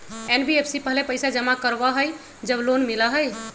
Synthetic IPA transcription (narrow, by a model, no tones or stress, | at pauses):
enbiepʰsipəɦlepəjsad͡ʒəmakəɾbaɦəj | d͡ʒəblonmilaɦəj